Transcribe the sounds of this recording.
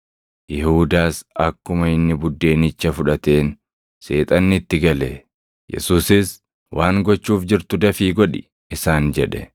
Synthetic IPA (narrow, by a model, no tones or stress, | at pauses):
jɪhuːd̪aːsɐkːʊmɐɪnːɪbʊd̪ːe̞ːnɪt͡ʃːɐfʊᶑɐt̪e̞ːn | se̞ːt̪ʼɐnːɪɪt̪ːɪɡɐlɛ | jɛ̰suːsɪs | wʔaːŋɡɔt͡ʃːuːfd͡ʒɪɾt̪ʊd̪ɐfiːɡɔᶑɪ | ɪsaːnd͡ʒɛᶑɛ